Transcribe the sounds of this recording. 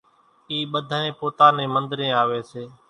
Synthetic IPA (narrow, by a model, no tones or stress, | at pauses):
iːɓəd̪ʱaːnẽːpoːt̪aːnẽːmənd̪ɾẽːaːʋeːseː